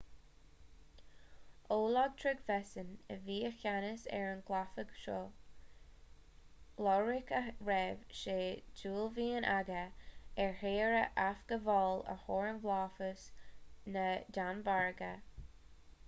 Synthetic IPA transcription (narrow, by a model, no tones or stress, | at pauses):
oːlɔɡ̚t̪ʰɹɪɡvɛsənəviːəxʲanəsɛ̰ɹənɡlafəɡʃoː | lɔːɹɪkəɹɛvʃeːd͡ʒuːlviːənʔaɡəɛɹheːɹəʔafɡ̥əvɔːlə̰hoːɹənvlɑːfəsnədanbaɹɡə